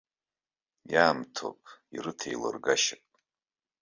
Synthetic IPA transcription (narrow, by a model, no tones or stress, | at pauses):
jaːmtʰo̰pʼirɨtʰejla̰rɡaʃɪpʼ